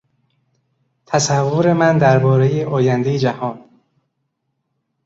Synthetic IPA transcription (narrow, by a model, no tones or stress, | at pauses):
t̪ʰæsævːoɾe̞mænd̪æɾbɒːɾe̞jeʔɒːjænd̪ejed͡ʒæhɒːn